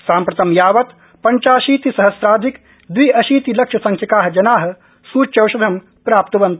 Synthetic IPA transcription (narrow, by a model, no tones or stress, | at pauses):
saːmpɾɐt̪ɐmjaːʋɐt̪ | pɐɲt͡ʃaːʃiːt̪isɐɦɐsɾaːd̪ʱik | d̪ʋiʔɐʃiːt̪ilɐkʂɐsɐŋkʰjɐkaːɦɐ̆d͡ʒɐnaːɦɐ̆ | suːt͡ʃɐwʃɐd̪ʱɐm | pɾaːp̚t̪ɐʋɐnt̪